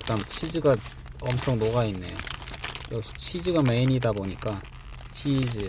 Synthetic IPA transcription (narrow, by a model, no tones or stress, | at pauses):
t͈amt͡ɕʰid͡ʑɯɡa | ʌmt͡ɕʰʌŋnoɡainːe̞jojʌɕʰt͡ɕʰid͡ʑɯɡameiɲidaboɲik͈a | t͡ɕʰid͡ʑi